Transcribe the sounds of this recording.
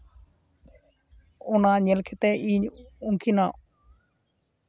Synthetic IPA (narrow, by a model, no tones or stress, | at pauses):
ʊnaːɲəlkʰet̪eiːɲʊŋkʰinaː